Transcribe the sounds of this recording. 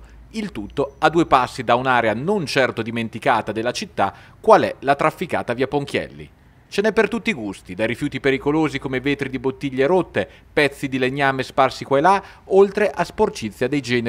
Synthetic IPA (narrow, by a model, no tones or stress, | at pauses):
ilt̪ut̪ːoad̪ːuepasːid̪aunaːɾeanont͡ʃɛrt̪od̪iment̪ikaːt̪ad̪elːat͡ʃit̪ːa | kwalɛ̰lat̪ɾafːika̰ːt̪aviapoŋkjɛ̰lːḭ | t͡ʃenɛpːert̪ut̪ːiɡust̪id̪ajɾifjuːt̪ipeɾikoloːzikomeveːt̪ɾid̪ibot̪ːiʎːeɾot̪ːe | pɛt̪sːid̪ileɲːaːmesparsikwaela | olt̪ɾeʔasport͡ʃit̪sːjad̪ejd͡ʒɛːne